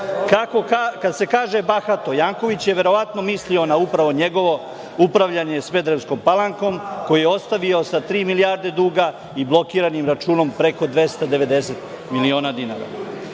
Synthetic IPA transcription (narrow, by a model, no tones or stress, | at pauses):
kakokakad̪se̞kaːʒe̞baxat̪o̞jaːŋko̞ʋit͡ɕjeʋe̞ɾo̞ʋat̪no̞mislio̞naupɾaʋo̞ɲe̞ɡo̞ʋo̞ | upɾaʋʎaɲe̞sʋe̞d̪ɾemsko̞mpalaŋko̞mko̞jijeo̞st̪aʋio̞sat̪ɾiːmilijaːɾd̪e̞d̪uːɡa | iblˠo̞kiːɾanimɾat͡ʃuːno̞mpɾe̞ko̞d̪ʋe̞st̪ad̪e̞ʋe̞d̪e̞se̞t̪ | milio̞ːnad̪ina̰ːɾa̰